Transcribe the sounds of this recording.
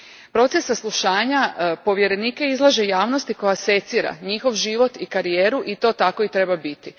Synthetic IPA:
pɾo̞t̪sesːaslˠuʃaːɲapo̞ʋje̞ɾe̞niːke̞izlˠaʒejaːʋno̞st̪iko̞jase̞t̪siːɾa̰ɲixo̞ʋʒiʋo̞t̪ikaɾijeːɾuʔit̪o̞t̪ako̞it̪ɾe̞babit̪i

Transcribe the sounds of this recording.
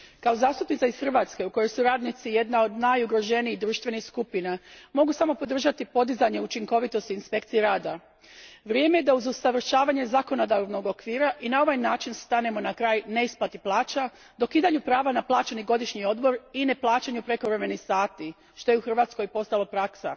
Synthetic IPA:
kao̞zaːst̪upnit̪aisxr̩ʋaːt̪ske̞uko̞jo̞jsuɾaːd̪nit̪sije̞d̪nao̞d̪najuɡɾo̞ʒe̞niid̪ɾuːʃt̪ʋe̞nixskupinamo̞ɡusamo̞po̞d̪r̩ʒat̪ipo̞d̪izaɲe̞ut͡ʃiŋko̞ʋit̪o̞st̪iːnspe̞kt̪sijeɾaːd̪a | ʋɾjeme̞je̞d̪auzusaʋr̩ʃaːʋaɲe̞zako̞nod̪aɾʋno̞ɡo̞kʋiːɾaʔinao̞ʋajnaːt͡ʃinst̪ane̞mo̞nakɾaːjne̞isplat̪iplˠaːt͡ʃa | d̪o̞kiːd̪aɲupɾaːʋanaplˠaːt͡ɕeniɡo̞d̪iʃɲio̞d̪bo̞ɾine̞plˠaːt͡ʃaɲupɾe̞koɾe̞menixsaːt̪i | ʃt̪o̞jeuxr̩ʋat̪sko̞jpo̞st̪alopɾaksa̰

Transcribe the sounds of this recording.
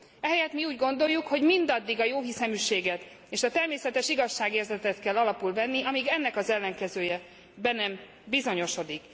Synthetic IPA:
ɛɦɛjɛt̪miuːɟɡo̞nd̪o̞jːukho̞ɟmind̪ɒd̪ːiɡɒjoːɦisɛmyʃeːɡɛt̪ | eːʃɒt̪ɛrmeːsɛt̪ɛʃiɡɒʃːaːɡeːrzɛt̪ɛt̪kɛlːɒlɒpulvɛnːiɒmiɡɛnːɛkɒzɛlːɛŋkɛzøːjɛ | bɛnɛm | bizo̞ɲo̞ʃo̞d̪ik

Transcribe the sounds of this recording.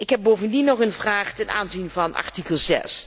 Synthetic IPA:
ɪkɦɛb̚bowvəndinɔχənvraːχtɛna̰ːnzinvɑnʔɑ̰ɹtikəlˠzɛ̰s

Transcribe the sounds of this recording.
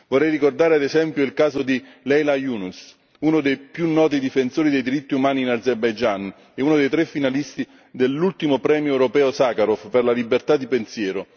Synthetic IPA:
vɔrːɛjrikord̪aːɾead̪ezɛmpjoilkaːzod̪i | lɛjlajuːnus | unod̪ejpjunːɔːt̪̬id̪ifensoːɾid̪ejd̪iɾit̪ːiumaːniːnad̪zerbajd͡ʒan | ɛunod̪ejt̪ɾɛfːinalist̪i | d̪elːult̪imopɾɛːmjoɛwɾopɛːʊsakaɾofperlalibert̪ad̪ːipensjɛːɾo

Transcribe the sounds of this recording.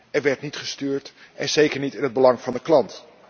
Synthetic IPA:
ɛɹʋɛɹtnitχəstyːɹt | ʔɛnz̥ejkəɹnitɪnɦəd̚bəlɑŋvɑndəklɑnt

